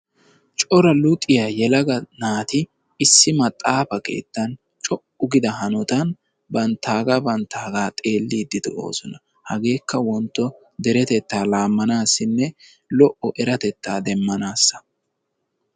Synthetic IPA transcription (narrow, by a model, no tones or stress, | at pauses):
t͡ʃʼɔɾɐlʊt̪ʼːɪjaːjɛlɐɡɐnaːt̪ɪ | ɪsːɪmɐt̪ʼːaːfɐke̞̰ːt̪ːɐn | t͡ʃʼɔʔʊɡɪd̪ɐɦɐnɔt̪ɐn | bɐnt̪ʰːaːɡabɐnt̪ʰːaːɡaːt̪ʼe̞ːlːiːd̪ːɪd̪ɛo̰ːsɔnɐ | hɐɡe̞ːkːɐwɔnt̪ːɔ | d̪ɛɾɛt̪ɛt̪ːaːlaːmːɐnaːsːɪnːɛ | lɔʔɔʔɛɾɐt̪ɛt̪ːaːd̪ɛmːɐnaːsːɐ̥